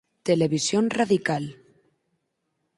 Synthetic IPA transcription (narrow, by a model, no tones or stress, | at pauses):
t̪eleβisjonraðikal